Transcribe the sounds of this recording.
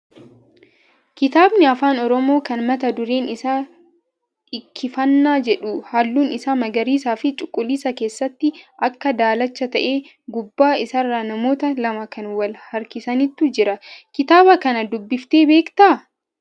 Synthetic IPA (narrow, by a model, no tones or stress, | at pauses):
kɪt̪aːbnɪɐfaːnɔɾɔmo̞ːkɐnmɐt̪ɐd̪ʊɾeːnɪsaː | ɪkʰːɪfɐnːaːd͡ʒɛᶑʊhalːuːnɪsaːmɐɡɐɾiːsaːfɪt͡ʃʼʊkʼːʊliːsɐke̞ːsːɐt̪ːɪʔɐkːɐd̪aːlɐt͡ʃːɐt̪ɐʔeː | ɡʊbːaːɪsɐrːanɐmo̞ːt̪ɐlɐmɐkɐnwɐlhɐɾkɪsɐnɪt̪ːʊd͡ʒɪɾɐkɪt̪aːbɐkɐnɐd̪ʊbːɪft̪e̞ːbeːkt̪a